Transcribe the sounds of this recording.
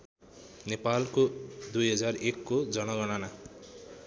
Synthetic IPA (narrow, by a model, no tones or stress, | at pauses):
nepalkod̪ujɦʌd͡zarekːod͡zʌñʌɡʌnana